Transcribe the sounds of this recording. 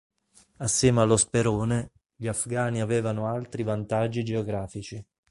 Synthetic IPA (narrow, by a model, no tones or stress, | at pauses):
asːjɛːmealːospeɾoːne | ʎiafɡaːniavɛːvanoalt̪ɾivant̪ad͡ʒːid͡ʒeoɡɾaːfit͡ʃi